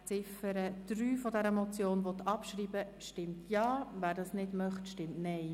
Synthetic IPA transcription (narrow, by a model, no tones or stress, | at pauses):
t͡sɪfəɾəd̥ɾyːfɔdɛɾəmɔt͡sjoːnʋɔt̪ʰɑpʃɾiːbə | ʃtɪmtʰjɑːʋæːɾdɑːsnɪdmœχtʃtɪmtnɛɪ